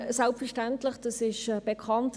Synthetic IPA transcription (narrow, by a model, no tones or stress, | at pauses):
sɛlpfɛɹʃtɛntlɪχd̥ɑsɪʃɛb̥ɛkʰɑnt